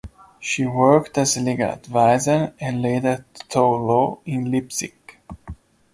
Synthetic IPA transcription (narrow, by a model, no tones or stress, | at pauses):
ʃiwɜ˞ktɨzəliɡələ̰dvaɪzə˞ɨ̃nleɪdət̪ʰoloɪ̃nlɪpsɪ̰k